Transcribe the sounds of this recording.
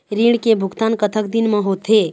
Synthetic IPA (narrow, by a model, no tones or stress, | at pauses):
ɾiɽ̃kebʱʊɡt̪ankət̪ʰəkd̪inmẽɦot̪ʰe